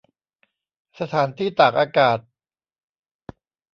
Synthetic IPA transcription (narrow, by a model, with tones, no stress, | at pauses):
sa˧t̪ʰaː˩˦nt̪ʰiː˥˩t̪aː˨˩k̚ʔaː˧kaː˨˩t̪̚